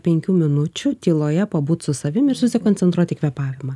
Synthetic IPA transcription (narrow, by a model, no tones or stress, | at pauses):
pʲɛŋʲkʲuːmʲɪnʊt͡ʃʲut̪ʲiːlˠoːjɛpɐbuːt̪sʊsɐʋʲɪmɪɾsʊsʲɪkɔnt̪sʲɛnt̪ɾuɔt̪ʲɪkʋʲɛpɑːʋʲɪmɐː